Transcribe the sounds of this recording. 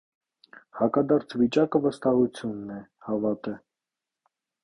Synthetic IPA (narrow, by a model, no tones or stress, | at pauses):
hɑkɑd̪ɑɾt͡sʰvit͡ʃɑkəvəst̪ɑhut͡sʰjunːɛ | hɑvɑt̪ɛ